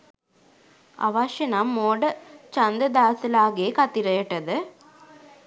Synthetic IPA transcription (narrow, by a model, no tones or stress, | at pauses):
ɐ̰ʋaːʂɐnamːoːɽɐt͡ʃɐnd̪ɐd̪aːsɐlaːɣeːkɐt̪ːiɾɐjɐʈːɐðɯ